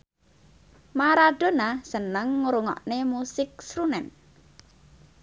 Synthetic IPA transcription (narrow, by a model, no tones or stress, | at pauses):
maɾad̥o̤nasənəŋːuɾuŋɔ̰ʔnemusɪk̚sɾunɛn